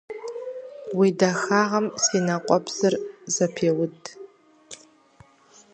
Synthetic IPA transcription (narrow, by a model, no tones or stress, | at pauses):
widaxaʁɐmsinaqʷʼɔbz̥ɨrzɐpʰewʊtʼ